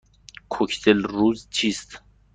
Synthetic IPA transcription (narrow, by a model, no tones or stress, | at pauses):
kʰokʰt̪ʰelɾuzt͡ʃʰist̪